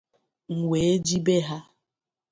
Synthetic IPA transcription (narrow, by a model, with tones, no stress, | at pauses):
ŋ̩˨ŋʷe˨e˦d͡ʒi˦be˦ɦa˦